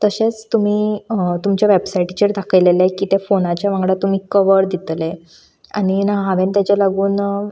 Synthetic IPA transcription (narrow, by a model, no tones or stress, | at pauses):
t̪əɕet͡st̪um̤iːt̪umt͡ɕjaʋebsaiʈt͡ɕeɾd̪ʱakʰəjlelajkiːt̪efonat͡ɕjaʋãŋɡɽat̪um̤iːkəʋəɾd̪it̪le | aɽ̃inaɦɦãʋent̪jat͡ɕalaɡuːn